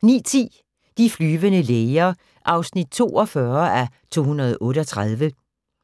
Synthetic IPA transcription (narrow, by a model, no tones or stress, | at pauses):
nḭːt͡sʰḭː | d̥iflyːʋənəleɪɐ | ʔɑ̈ʊsnid̥̚t͡sʰo̝̰ːɒ̽fɶɐæ | t͡sʰo̝̰ːhunɐð̞ˠɔ̽ːɾəɒt͡sʰʁað̞ˠʋə